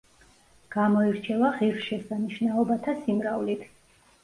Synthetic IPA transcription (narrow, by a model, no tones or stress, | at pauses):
ɡ̥amɔiɾt͡ʃʰɛvaʁiɾʃɛsaniʃnaɔbat̪ʰasimɾavlit̪ʰ